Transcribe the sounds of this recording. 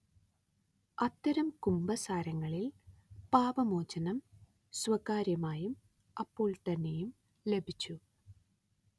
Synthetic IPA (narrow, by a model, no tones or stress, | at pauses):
ɐt̪ːɐɾɐmkumbɐsaːɾɐŋːɐɭilpaːʋɐmoːt͡ɕːɐnɐm | swɐkaːɾjɐmaːjum | ɐpːo̞ːɭt̪ɐnːe̞jum | le̞bʱit͡ɕːu